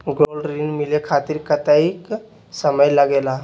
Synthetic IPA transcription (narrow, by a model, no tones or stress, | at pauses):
ɡolɖɾinmilekʰat̪iɾkət̪aik | səməjləɡeːla